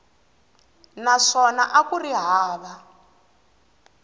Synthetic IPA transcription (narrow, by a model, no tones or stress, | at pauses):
naʂɔnaʔakuriɦaːβa